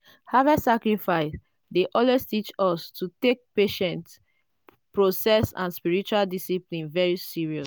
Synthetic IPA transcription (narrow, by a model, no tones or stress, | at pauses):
havɛsakɹifaɪs | deʔɔlwestit͡ʃɔstutek̚peʃɛ̃nts | pɹosɛsã̰nspiɹit͡ʃualdisiplĩnvɛɹisiɹiɔs